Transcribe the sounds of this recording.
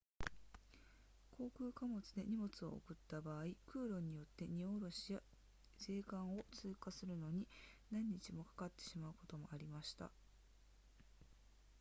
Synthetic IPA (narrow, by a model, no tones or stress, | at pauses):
kʰo̞ːkɯ̟ːkamo̞t͡sɨd̪e̞̰ɲ̟imo̞t͡sɨo̞̰ːkɯ̟t̪ːabaːikɯ̟ːɾo̞ɲ̟ijo̞t̪ːe̞ɲ̟io̞ɾo̞ɕija | se̞ːkãɰ̃o̞t͡sɨːkasɨɾɯ̟no̞ɲ̟inãɲ̟ːit͡ɕimo̞kḁkat̪ːe̞̥ɕimaɯ̟ko̞t̪o̞mo̞ʔaɾʲimaɕi̥t̪a̰